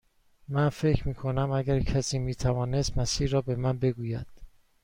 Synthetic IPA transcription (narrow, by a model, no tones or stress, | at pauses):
mænfe̞cʰɾmiːkʰo̞næmæɡæɾcʰæsiːmiːt̪ʰævɒːne̞st̪mæsiːɾɒːbe̞mænbe̞ɡuːjæd̪̥